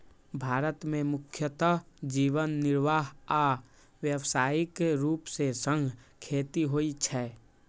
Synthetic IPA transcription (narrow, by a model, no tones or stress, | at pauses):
bʱaːɾət̪mẽmʊkʰjət̪əd͡ʒiːʋənːɪɾʋaːɦa | ʋjəʋsaːikeɾuːpsesə̃ŋɡʱkʰeːt̪iɦoːit͡ʃʰɛː